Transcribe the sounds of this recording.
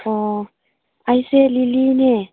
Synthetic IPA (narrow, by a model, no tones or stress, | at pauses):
ɔ | aisɛliliːnɛ